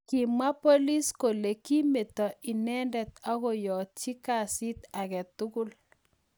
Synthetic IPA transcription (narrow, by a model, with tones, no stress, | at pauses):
ki˨ma˦po˦li˦sko˨le˨ki˦me˨t̪ɔ˨ɪ˨nɛ˦ndɛ˨t̪a˦ɣɔ˦jɔ˨t̚t͡ʃi˦ka˨sɪ˦t̪a˨kɛ˨t̪u˦kʊ˦l